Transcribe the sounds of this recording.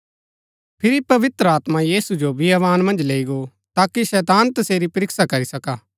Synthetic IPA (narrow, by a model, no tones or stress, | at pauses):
pʰɪɾipɐʋɪt̪ɾəaːt̪majiːsud͡ʒobɪaʋaːnmɐ̃nd͡ʒleːiɡo | t̪aːkiʃɛːt̪aːnt̪ɐseːɾipɐɾɪksakɐɾisɐkaː